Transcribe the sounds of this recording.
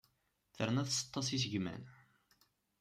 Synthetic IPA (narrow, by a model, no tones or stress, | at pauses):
θəɾnæθsə̥t̪ˤːɑsis̬əʝmæ̰n